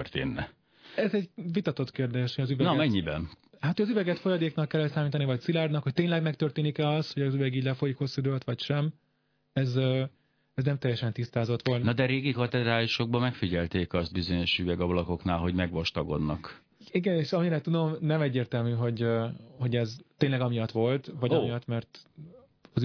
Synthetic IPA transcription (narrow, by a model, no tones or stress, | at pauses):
ørt̪ḛːnːɛ | ɛzɛɟvit̪ɒt̪ot̪keːrd̪eːʃhojɒzyvɛnɒmɛɲːibɛ̰nhat̪ːøːjɒzyvɛɡɛt̪fo̞jɒd̪eːknɒkːɛlːɛlsaːmiːt̪ɒnivɒc̚silaːrnɒkho̞c̚t̪eːɲnlɛɡmɛk̚t̪ørt̪eːnikɛɒst̪hoɟɒzyvɛɡiːɟʲlɛfo̞jikho̞sːud̪øːlt̪ʋɒcʃɛm | ɛz | ɛznɛmt̪ɛjːɛʃɛnt̪ist̪aːzo̞t̪ʋo̞lnnɒd̪ɛɾeːɡikɒt̪ɛd̪ɾaːliʃo̞ɡ̚bɒmɛkfiɟɛlt̪eːkɒst̪̚bizo̞ɲo̞ʃyvɛɡɒblɒko̞knaːlɦo̞ɟmɛɡʋɒʃt̪ɒɡo̞̰d̪nɒk | iɡɛneːʃɒmiɾɛt̪ːud̪o̞mnɛmɛɟːeːrt̪ɛlmyɦo̞ɟho̞ɟɛzt̪eːnlɛɡɒmijɒt̪ʋo̞lt̪vɒɟɒmijɒt̪mɛrt̪ | ɒ